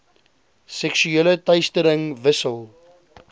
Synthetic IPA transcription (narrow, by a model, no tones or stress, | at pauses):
sɛkʃyelətɐjstəɾəŋvəsəlˠ